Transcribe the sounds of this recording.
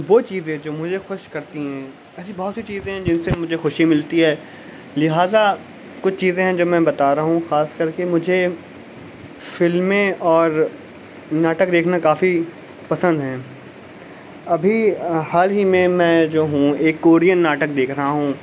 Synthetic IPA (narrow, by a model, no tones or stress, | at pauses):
ʋoːt͡ʃiːzẽd͡ʒoːmʊd͡ʒʱexʊʃkɐɾt̪iɦɛ̃ː | ɛːsibɔːt̪sit͡ʃiːzẽɦɛ̃d͡ʒɪnsemʊd͡ʒʱexʊʃimɪlt̪iɦɛː | lɪɦaːza | kʊt͡ʃʰt͡ʃiːzẽɦɛ̃d͡ʒoːmɛ̃bɐt̪aːɾɐaɦũxaːskɐɾkemʊd͡ʒʱe | fɪlmẽʔɔːɾ | naːʈək̚d̪eːkʰnakaːfi | pɐsə̃nd̪ɦɛ̃ː | ɐbʱihaːlɦimẽmɛ̃ːd͡ʒoːɦũeːkːoːɾijənːaːʈəkd̪eːkʰɾɐɦaɦũ